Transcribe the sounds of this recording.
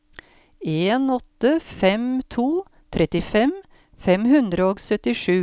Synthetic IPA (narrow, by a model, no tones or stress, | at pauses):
eːnɔt̪əfɛmt̪ʰuː | t̪ʰɾɛt̪ɪfɛm | fɛmhʉnd̪ɾəoːɡsœt̪ɪʂʉː